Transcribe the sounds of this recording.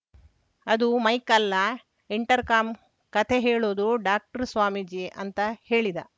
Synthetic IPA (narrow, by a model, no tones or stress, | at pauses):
ɐd̪umɐjkɐlːɐ | iɳʈɐɾkaːm | kɐt̪ʰeɦeːɭoːd̪uɖaːk̚ʈɐɾsʋaːmid͡ʒiʔɐnt̪ɐheːɭid̪ɐ̰